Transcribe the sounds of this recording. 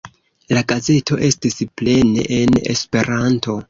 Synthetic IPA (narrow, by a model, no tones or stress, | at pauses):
laɡaze̞to̞ʔe̞stisple̞ne̞̰ʔene̞̰spe̞ɾanto̞